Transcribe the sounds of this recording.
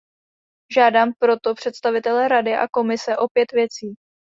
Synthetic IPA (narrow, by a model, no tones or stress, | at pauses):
ʒaːdaːmpɾo̞t̪o̞pr̝̥ɛt̪st̪avɪt̪ɛlɛːɾadɪʔa̰ko̞mɪsɛʔo̞pjɛt̪vjɛt͡siː